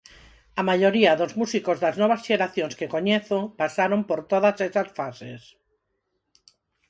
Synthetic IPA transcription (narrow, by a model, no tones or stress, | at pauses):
amaʎoɾiaðozmusikozðaznɔβ̞asʃeɾaθjõŋskekoɲeθopasaɾompoɾt̪oðasesasfases